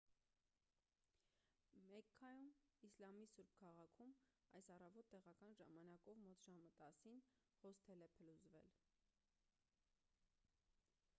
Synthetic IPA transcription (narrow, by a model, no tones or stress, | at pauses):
mɛkʰːɑjumislɑmisuɾb̚kʰɑʁɑkʰum | ɑ̰jsɑrɑvɔt̪ːɛʁɑkɑnʒɑmɑnɑkɔvmɔt̪ʒɑmət̪ɑsin | hɔst̪ʰɛlɛpʰəluzvɛl